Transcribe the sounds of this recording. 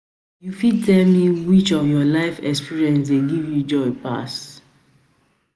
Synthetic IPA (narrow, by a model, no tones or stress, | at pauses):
jufid̚tʰɛlmiwit͡ʃɔvjɔlaɪfɛkspiɹiɛ̃nsdeɡivjud͡ʒɔɪpa̰s